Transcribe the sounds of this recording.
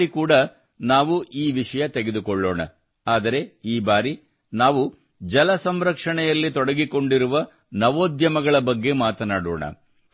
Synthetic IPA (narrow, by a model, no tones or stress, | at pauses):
ikuːɽɐ | naːʋuʔiːʋiʂɐjɐt̪eɡe̞d̪ukɔɭːoːɳɐ̰ | aːd̪ɐɾe̞iːbaːɾi | naːʋu | d͡ʒɐlɐsɐmɾɐkʂɐɳɛjɐlːit̪ɔɽɐɡiko̞ɳɖiɾuʋɐ | nɐʋoːd̪jɐmɐɡɐɭɐbɐɡːe̞maːt̪ɐnaːɽo̰ːɳɐ̰